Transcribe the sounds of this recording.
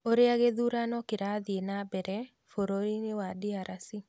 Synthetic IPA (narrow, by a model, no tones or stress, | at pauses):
oɾɪaɡeðuɾanɔkɪɾaðɪenabɛɾɛ | foɾoinɪwadɪaɾasi